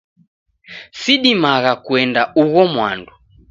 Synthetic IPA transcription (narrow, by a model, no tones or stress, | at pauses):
siɗimaɣakuɛndauɣɔmwa̰ndu